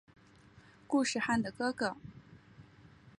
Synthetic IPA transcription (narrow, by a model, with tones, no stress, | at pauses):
ku˥˧ʂɻ̩˥˩˧xa˥˩nd̪ə˩kɤ˥kɤ˥˩